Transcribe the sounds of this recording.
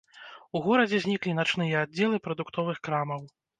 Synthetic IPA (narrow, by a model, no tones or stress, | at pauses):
uɣɔɾɐd͡zʲɛzʲnʲiklʲinat͡ʂnɨjɛadd͡zʲːɛlˠɨpɾɐd̪ukt̪ɔvɨxkɾamɐw